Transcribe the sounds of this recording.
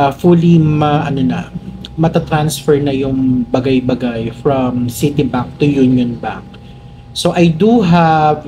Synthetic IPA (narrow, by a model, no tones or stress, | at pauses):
fulimɐʔɐnonɐ̰mɐt̪at̪ɾansfɛɹnɐjʊŋbɐɡajbɐɡajfɹɐmsɪt̪ibaŋk̚t̪ʊjunjonba̰ŋk̚ | soʔɐjd̪uɦav